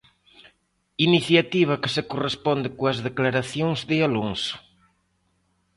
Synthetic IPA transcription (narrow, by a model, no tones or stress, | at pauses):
iniθjat̪iβ̞ɐkɪsɪkorespɔnd̪ɪkoɐzðeklaɾaθjoŋzðɪaloŋsʊ̥